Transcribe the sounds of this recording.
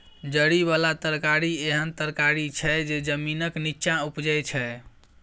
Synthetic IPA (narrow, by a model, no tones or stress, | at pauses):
d͡ʒəɽiβalat̪əɾkaɾieɦənt̪əɾkaɾit͡ʃʰɛd͡ʒed͡ʒəminəkniːt͡ʃãupd͡ʒəjt͡ʃʰɛ